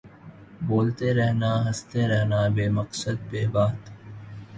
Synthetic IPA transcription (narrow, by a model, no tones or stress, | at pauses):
boːlt̪eɾɛɦnaɦɐst̪eɾɛɦnabeːmɐqsəd̪̚beːbaːt̪